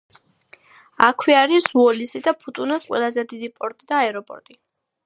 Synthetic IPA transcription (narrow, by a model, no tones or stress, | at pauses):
a̰kʰwiaɾisuɔlisid̪apʰut̪ʼunasqʼwɛ̰lˠazɛd̪id̪ipʼɔɾt̪ʼid̪aːɛɾɔpʼɔ̰ɾt̪ʼi